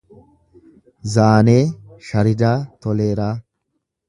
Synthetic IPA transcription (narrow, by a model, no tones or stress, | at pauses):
zaːneːʃɐɾɪd̪aːt̪ɔleːɾaː